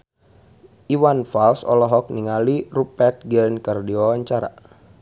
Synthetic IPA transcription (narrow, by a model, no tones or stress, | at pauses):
ʔiwanfalsɔ̰lɔɦɔk̚niŋalirupɛt̪̚ɡənkərdiawaɲt͡ʃaɾa̰